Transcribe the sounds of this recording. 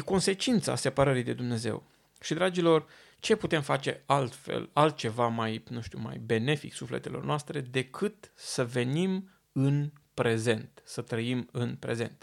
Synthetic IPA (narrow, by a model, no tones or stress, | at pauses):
jeko̞nse̞t͡ʃint̪sa̰se̞pəɾəɾijd̪e̞d̪umne̞ze̞̰w | ʃid̪ɾad͡ʒilo̞r | t͡ʃe̞put̪e̞mfat͡ʃe̞̰alt̪fḛlalt̪̚t͡ʃe̞vamajnũʃt̪ṵma̰jbe̞ne̞fḭksufle̞̰t̪e̞lo̞̰rnoast̪ɾe̞d̪e̞kʰɨt̪səve̞nim | ɨnpɾe̞ze̞nt̪sət̪ɾəimɨnpɾe̞ze̞̰nt̪